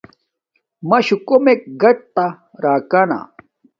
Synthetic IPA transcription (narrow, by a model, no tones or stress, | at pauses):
mɐɕukomek̚ɡɐʈ̚t̪a | ɾaːkana̰